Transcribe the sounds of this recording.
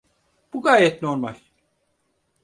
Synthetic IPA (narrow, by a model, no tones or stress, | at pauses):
b̥uɡaːjɛt̪no̞ɾmalʲ